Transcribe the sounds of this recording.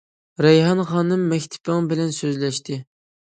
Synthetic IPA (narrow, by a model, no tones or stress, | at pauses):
ɾɛjɦɑnχɑːnɨmːɛkʲt̪ʰɪ̥pɪŋbɪlɛnsøzlɛʃt̪ʰɪ